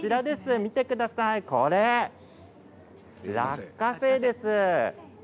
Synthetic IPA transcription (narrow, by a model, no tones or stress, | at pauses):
t͡ɕiɾad̪e̞sɨmʲit̪e̞kɯ̟d̪asaiko̞ɾe | ɾa̰kːase̞ːd̪e̞sɨ